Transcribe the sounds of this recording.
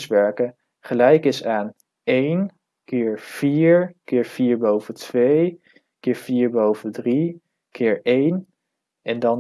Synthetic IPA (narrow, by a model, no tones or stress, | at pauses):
sʋɛɹkə | χəlɛjkɪsaːn | ejn | kɪːɹv̥iːɹkɪːɹv̥iːɹbowvətʋej | kɪːɹv̥iːɹbowvədri | kʰɪːɹejn | ɛndɑ